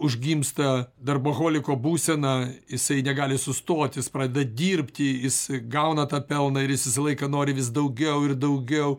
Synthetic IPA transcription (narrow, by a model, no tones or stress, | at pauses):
ʊʒʲɡʲimst̪ɐd̪ɐrboɣoːlʲɪkoːbuːsʲɛnɑjɪsɐɪnʲɛɡɑːlʲɪsʊst̪oːt̪ʲjɪspɾɑːd̪ʲɛdd̪ɐd̪ʲiːrpʲt̪ʲɪjɪsɡɐʊnɐt̪ɑːpʲɛlˠnɐɪɾjɪsjʲɪsɐlˠɐɪkɐnoːɾʲɪʋʲɪs̬d̪ɐʊɡʲɛʊɪrd̪ɐʊɡʲɛʊ